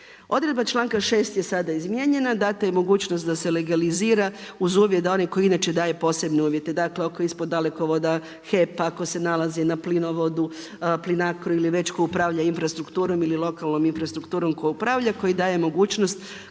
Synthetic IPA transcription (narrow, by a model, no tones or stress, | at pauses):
o̞d̪ɾe̞d̪bat͡ʃlˠaːŋkaʃe̞ːst̪je̞sad̪aizmjeɲe̞nad̪aːt̪ajemo̞ɡuːt͡ʃnost̪d̪ase̞le̞ɡaliziːɾauzuːʋjet̪̚d̪ao̞niko̞jinat͡ʃed̪aːjepo̞ːse̞bne̞uːʋje̞t̪e̞d̪akleokoispo̞d̪ːale̞ko̞ʋo̞d̪a | xepako̞se̞nalazinaplino̞ʋo̞d̪u | plinakɾuiliʋe̞t͡ɕkojupɾaːvʎainfɾast̪ɾukt̪uːɾo̞mililˠo̞kalˠno̞minfɾast̪ɾukt̪uːɾo̞mkojupɾaːʋʎako̞jid̪aːjemoɡuːt͡ʃnost̪